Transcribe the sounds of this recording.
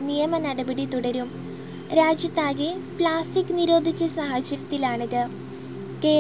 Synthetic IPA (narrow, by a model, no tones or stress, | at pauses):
nijɐmɐnɐɽɐbɐɽit̪uɽɐɾum | ɾaːd͡ʑjɐt̪ːaːɣepɭaːstikːɨniɾo̞ːd̪ʱit͡ɕːɐsɐɦɐɕɐɾɐt̪ːilaːɳɐðɨ | ke̞ː